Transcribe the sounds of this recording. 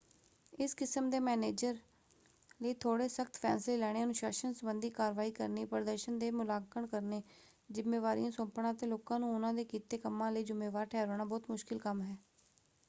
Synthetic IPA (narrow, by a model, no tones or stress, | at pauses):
ɪskɪsəmd̪eːmɛːneːd͡ʒəɾ | ləiːt̪ʰoːɽeːsəkt̪pʰɛ̰ːnsleːlɛːɽ̃ejaːnũːʃaːʃənsəbənd̪iːkaːɾʋaːiːkə̰ɾniːpəɾəd̪əɾʃənd̪eːmʊlaːkəɳkəɾneː | zɪmːeːʋaːɾḭjãːsõːmpɳãːət̪ẽːloːkãːnũːʊnãːd̪eːkiːt̪eːkəmːãːləiːd͡ʒʊmːeːʋaːɾʈʰɛːɾoːɳaːbɔːt̪mʊʃkɪlkəmɦɛː